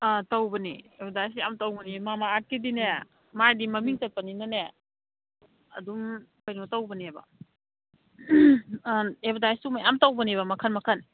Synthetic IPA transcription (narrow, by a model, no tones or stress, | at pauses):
atɐwbɐniebdajsijamtawbɐnimamaːt̚kidine | majdimɐmiŋtɐt̚paninɐne | ɐdum | kɐjnotɐwbɐnebɐ̰ | ebdajstumajamtawbɐneβɐmɐkʰɐnmɐkʰɐn